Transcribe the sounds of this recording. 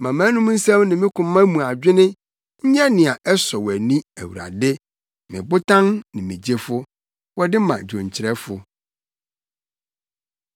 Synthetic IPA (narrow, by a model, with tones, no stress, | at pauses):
mã˨mã˦nũ˦m˦n̩˦sɛ̃˦mnɪ̃˨mɪ̃˦kʰʊ̃˨˦mã˦mũ˨a˨d͡ʑᶣɪ˦nɪ̃˦ | ɲ̩˦ɲɛ˦nɪ̃˨a˨ʔɛ˦sɔ˨wæ˨nĩ˦æ̰˨wṵ˨ɾa̰˨dɪ˦ | mɪ̰̃˨bʊ˦tʰã˦nnɪ̃˨mĩ˨d͡ʑe˦fʊ˦ | wɔ˦dɪ˦mã̰˨d͡ʑõ˨ɲ˨t͡ɕʰɪ˨ɾɛ˦fʊ˨